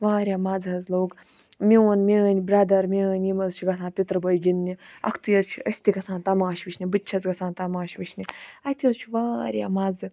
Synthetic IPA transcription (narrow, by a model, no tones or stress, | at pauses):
ʋaːɾʲjaːmaːd͡zɐzloːk | mʲewɐnmʲeənʲbɾaːd̪ɐɾmʲeənʲjimɐzt͡ʃʰiɡɐsʰãːnpʲit̪ɾɨbɐjɡʲinːiɐ̰kʰt̪ujɐzt͡ʃʰiɐsʲt̪ikɐsʰãːnt̪ɐmaːʃʋiʃʰʲnʲibɨːt͡ʃʰɐt͡sɡɐsʰãːnt̪ɐmaːʃʋiʃʰʲnʲiɐt̪ʰjɐzt͡ʃʰiʋaːɾʲja̰ːmaːd͡zɨ